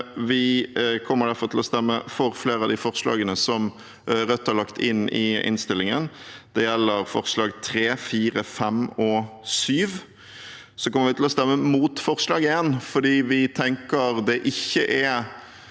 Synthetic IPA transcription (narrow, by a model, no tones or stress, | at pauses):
ʋɪkʰɔmːəɖ̪æɾfɔɾt̪ʰɪlɔst̪ɛmːəfɔɾfleːɾɑd̪ɪfɔʁslɑ̰ːɡənəsɔm | ɾœt̪ːæʁlɑkt̪ʰɪnːɪɪ̰nst̪ɪlːɪŋənd̪̥ɛjɛlːəɾfɔɾslɑːɡt̪ʰɾeːfiːɾəfɛmɔsyːʋ | sɔkɔmːəɾʋɪt̪ʰɪlɔst̪ɛmːəmuːt̪fɔʁslɑːɡəɪjɛnːfɔɖiːʋɪt̪ʰɛŋkəɾd̪ɛʔɪçːəʔɛ